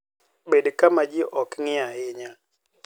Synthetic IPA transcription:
ɓedkamad͡ʒɪʔɔkŋɪahɪɲa

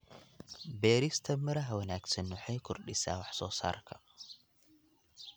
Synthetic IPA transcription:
beɾist̪ʰɐmːɨɾaɦwɐnaksɨnːuħɐjkʰʊɾɗisa̰waħsosa̰ɾkʰɐ

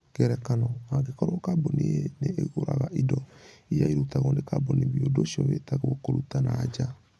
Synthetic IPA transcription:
kɛɾɛkanɔmaɣekɔɾokabonieneɣoɾa̰ɣaʔidɔijaiɾutaɣonekaboniβiodoʃiɔβetaɣokoɾutanad͡ʒa

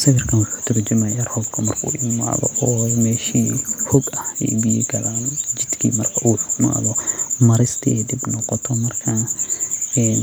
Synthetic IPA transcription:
sɐwɪrkʰɐnʊkʰɐ̥t̪ʰɪɾd͡ʒɐmajɐrhɔɡkʰɐmɐrkʰɐʔuːʔɪma̰ːðɔ̰ʔɔːmɛːʃiːhɔɡɐhɛ̰jbijɛ̰ɡɐlaːnd͡ʒɪd̪kʰḭːmɐrkʰɐʔuːħʊkma̰ːðɔmɐɾɪst̪ʰiɛɖɪbnɔqɔt̪ʰɔmɐrkʰɐ | ɛn

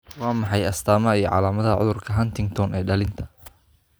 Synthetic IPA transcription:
wɑːmɑħɑjɐst̪ʰaːmɐijɞʕɑ̰laːmɐðɐʕʊ̰ðʊrkʰɐɦɐnt̪ɪŋt̪ʰɔnɛːɖɐlɪnt̪ʰɐ̥

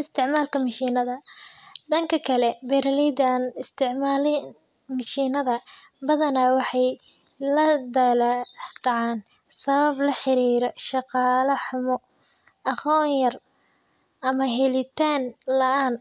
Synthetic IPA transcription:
ɪst̪ʰɪʕmaːlkʰɐmɐʃiːnɐðɐɖɐŋkʰɐkʰɐlɛbɛɾɐlɛd̪anɪst̪ʰɪʕmaːlɪn | mɐʃiːnɐðɐ | bɐðɐnawɑħɑj | lɐd̪ɐld̪ɑʕɑːn | sɐβɐblɐħɪɾiːɾɔʃɑqɑːlɐħʊmɔ | ɐqɔːɲjɐr | ʔɐmɐɦɛlɪt̪ʰaːnlɐʔaːn

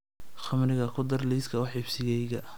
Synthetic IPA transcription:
χɐmrɪɣɐkʰʊd̪ɐrliːskʰɐwʊħɪbsɪɣɛjɣɐ

